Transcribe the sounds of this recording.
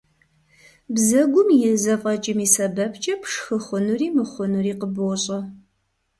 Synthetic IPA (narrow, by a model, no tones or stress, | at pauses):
bzɐɡʷʊmjɪzɐfʼɐt͡ʃʼɪmiːsɐbɐpʰt͡ʃʼɐpʰʂxɨχʷʊnuriːmɨχʷʊnuriːqəboɕʼɐ